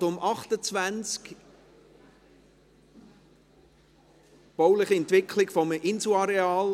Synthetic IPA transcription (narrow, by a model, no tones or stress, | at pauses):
dʊmʔɑχtət͡svænt͡sk | b̥ɔʊlɪχiɛntʋɪkʰlɪɡ̥fɔməʔɪnsuɑɾeɑːl